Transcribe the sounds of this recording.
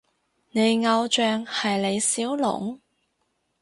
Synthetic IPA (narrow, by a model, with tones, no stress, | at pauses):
ne˨˧jŋɐ˧wt͡ʃœː˨˧ŋhɐ˨jle˨˧jsiː˨˥wlʊ̰˨˩ŋ